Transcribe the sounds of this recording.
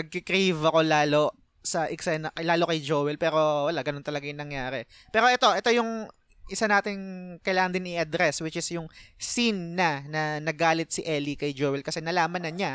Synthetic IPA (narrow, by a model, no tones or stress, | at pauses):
nɐɡ̚kɪkɾivɐko̞laːlo̞ | sɐʔɪksɛnɐkɐlaːlo̞kɐjd͡ʒoːwɛlpɛːɾo̞wɐlaɡɐno̞nt̪ɐlɐɡajʊŋnɐŋjaːɾɛ | pɛːɾo̞ʔɛt̪o̞ʔɛt̪o̞jʊŋ | ʔɪsanaːt̪ɪnkɐjlaːŋɐnd̪ɪnɪʔɐd̪ɾɛswɪt͡ʃɪsjʊŋsinːɐnɐnɐɡaːlɪt̪̚sɪʔɛlikɐjd͡ʒoːwɛlkɐsɛnɐlaːmɐnːɐɲa